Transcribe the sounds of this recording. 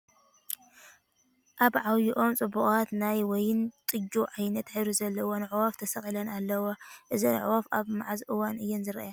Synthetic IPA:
ʔaβʕawjuʔo̞mt͡sʼɨbːuχʼat̪najwɔjɪnt̪ʼɨd͡ʒuʕajnɐt̪ħɨɾuzɐlːɐwonɨʕwaft̪ʰɐsɐχʼilɐnalːɐwoʔɨzinɨ̰ʕ̰wafaβmaʕazʔɨwːanɨjːɛnzɨɾɐʔaja

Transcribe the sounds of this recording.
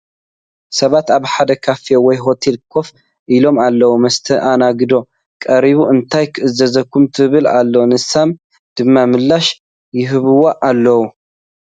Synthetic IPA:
sɐβat̪aβħad̪ɐkʰafijowɔjɦo̞t̪ʰelkʰo̞f | ʔilo̞malːɐwumɐst̪ʰɐʔanaɡɨd̪o̞ | kʼɐɾiβuɨnt̪ʰajkʰɨʔɨzɐzɐkʰːumt̪ʰɨβɨla̰lːonɨsam | d̪̥ɨmːamɨlːaʃ | jɪɦɨβɨwoʔalːɐwu

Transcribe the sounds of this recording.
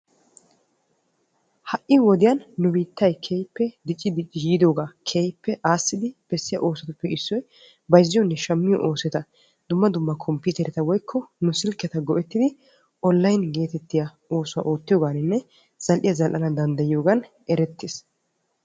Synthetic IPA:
hɐʔʔɪwɔd̪ɪjɐnːʊbiːt̪ːɐjkʰeːjpːɛd̪ɪt͡ʃʼːɪd̪ɪt͡ʃʼːɪjiːd̪o̞ːɡaːkʰeːjpːɛʔaːsːɪd̪ɪb̥ɛsːɪjɐ̰ʔo̞ːsɐt̪ʊpːɛɪsːɔj | bɐjzːɪjɔnːɛʃɐmːɪjɔ̰ʔoːsɛt̪ɐ | d̪̥ʊmːɐd̪ʊmːɐkʰɔmpːʊːt̪ɛɾɛt̪ɐwɔjkʰːɔnʊsɪlkːɛt̪ɐɡɔʔɛt̪ːɪd̪ɪ | ʔɔlːɐjnɡe̞ːt̪ɛt̪ːɪjɐ | o̞ːsʊaʔoːt̪ːɪjo̞ːɡaːnɪnːɛ | z̥ɐlʔɪjɐzɐlʔɐnɐd̪ɐnd̪ɐjɪjo̞ːɡɐn | ɛɾɛt̪ːeːs

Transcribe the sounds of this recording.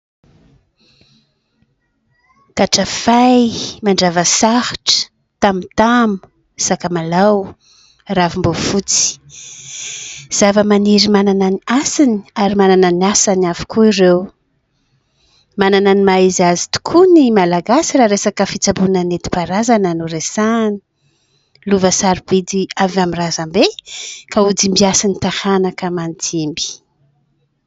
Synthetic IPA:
kaʈ͡ʂəfajmaɳɖ͡ʐavəsahʈ͡ʂə̥ | t̪amit̪amu̥ | sakəmalaw | ravimbofut͡si̥ | z̥avəmaniɾimanananiasiniaɾimanananasanafi̥kʰuirew | manananimaizazi̥t̪u̥kʰunimalaɡasiɾaɾesakəfit͡sabunanet̪i̥paɾazanənuresani̥ | luvəsaɾib̥id̪iavamirazambekaud͡zimbiasinit̪ahanakəmantʰimbi̥

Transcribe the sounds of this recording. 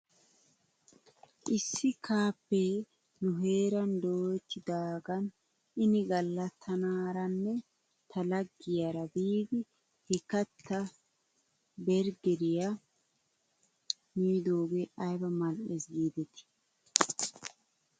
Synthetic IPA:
ʔɪsːɪkʰaːpːe | nʊɦeːɾɐnd̪oːt͡ʃːɪd̪aːɡɐn | ɪnɪɡɐlːɐt̪ʰːɐnaːɾɐnːɛ | t̪ʰɐlɐɡːɪjɐɾɐbiːɡ̪ɪ | hɛkɐt̪ːɐ | bɛɾɡɛɾɪjɐ | niːd̪oːɡɛʔɐjbɐmɐlʔɛsɡiːd̪ɛt̪ɪ̥

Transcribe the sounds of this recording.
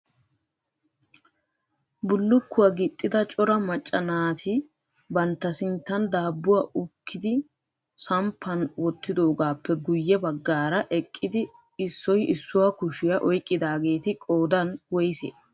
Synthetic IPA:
bʊlːʊkːʊwaɡɪt̪ʼːɪd̪ɐt͡ʃʼɔɾɐmɐt͡ʃʼːɐnaːt̪ʰɪ | bɐnt̪ːɐsɪnt̪ːɐnd̪aːbːʊwaʔʊkʰːɪd̪ɪ | sɐmpʰːɐnwɔt̪ːɪd̪o̞ːɡaːpːɛɡʊjːɛbɐɡːaːɾɐʔɛkʼːɪd̪ɪ | ɪsːɔjɪsːʊwakʊʃɪjɐʔɔjkʼːɪd̪aːɡe̞ːt̪ɪkʼoːd̪ɐnwɔjsḛː

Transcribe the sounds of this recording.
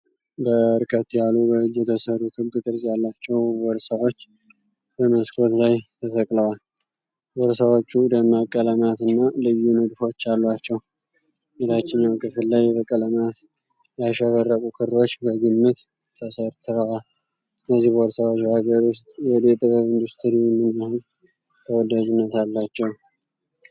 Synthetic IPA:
bəɾkʰət̪ːjalːubəɨd͡ʒːɛt̪ʰəsəɾukʰɨbɨt̪ʼɨɾsʼjalːat͡ʃːɛwwɔɾsawo̞t͡ʃː | b̥əməskʰo̞t̪lajt̪ʰəfəkʼləwal | wɔɾsawo̞t͡ʃːud̪əmakʼːələmat̪ɨnːalɨjːunəd̪fo̞t͡ʃːalːwat͡ʃːɛw | elat͡ʃːɪɲjawkʼɨfɨllajbəkʼələmat̪ | jaʃəβərːəkʼukʰɨro̞t͡ʃːbəɡɨmːɨt̪ | t̪ʰəsəɾt̪ʰɨɾəwal | ɨnːəzːihboɾsawot͡ʃːuhaɡəɾʊst̪ʼjɛd̪et̪ʼɨβəβɨnd̪ust̪ʰɾijɛmːɨnːahɨz | t̪ʰəwɔd̪ad͡ʒunːət̪alːat͡ʃːɛw

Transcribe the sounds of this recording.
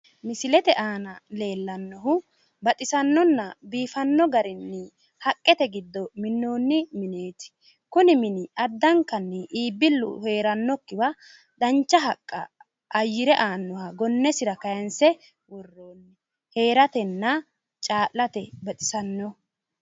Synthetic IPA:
mɪsɪlɛt̪ɛʔaːnɐle̞ːlːɐnːɔɦʊ | bɐt̪ʼɪsɐnːɔnːɐbiːfɐnːɔɡɐɾɪnːɪ | hɐkʼːɛt̪ɛɡɪd̪ːɔmɪnːo̞ːnːɪmɪne̞ːt̪ɪ̥ | kʊnɪmɪnɪɐd̪ːɐŋkːɐnːɛʔiːbːɪlːʊ̰he̞ːɾɐnːɔkːɪwɐ | d̪ɐnt͡ʃːɐɦɐkʼːɐ̰ː | jːɪɾɛʔaːnːɔhaɡɔnːɛsɪɾɐkɐjɐnsɛ | wɔrːo̞ːnːɪ | he̞ːɾɐt̪ɛnːɐ | t͡ʃʼaːʔːɐt̪ɛbɐt̪ʼɪ̥sɐnːɔ

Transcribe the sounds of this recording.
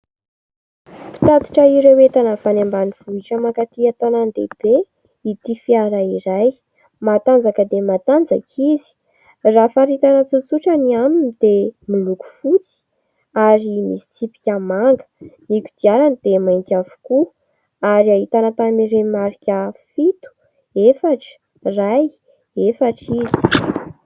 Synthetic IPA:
i̥t̪ad̪i̥ʈ͡ʂəiɾewet̪anəfanambaniv̥uiʈ͡ʂəmakat̪iat̪anand̪ḛb̥e | it̪ifiaɾaiɾaj | mat̪and͡zakəd̪emat̪and͡za̰kʰizi̥ | rafaɾit̪anət͡sut͡suʈ͡ʂəniaminid̪emiluku̥fut͡si̥ | aɾimisi̥t͡sipi̥kʲamaŋɡə̥nikʲu̥d̪̥iaɾanid̪̥emajŋkʲavu̥ku | aɾiaɦit̪anat̪amiɾemaɾikʲəfit̪u̥ | efaʈ͡ʂə̥ | raj | efaʈ͡ʂizi̥

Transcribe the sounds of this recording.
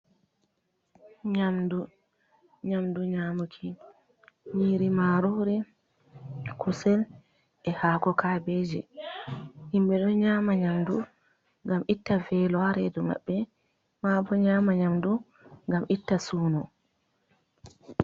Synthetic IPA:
ɲamdu | ɲamduɲamukʰi | ɲiːɾimaːɾɔɾɛ | kʰusɛl | ɛhaːkɔkʰaːbed͡ʒɛ | himbɛɗɔɲaːmaɲamdu | ŋɡamitːavɛlɔaɾɛdɔma̰ɓːɛ | maːbɔɲaːmaɲamdu | ŋɡamʔitːasuːnɔ

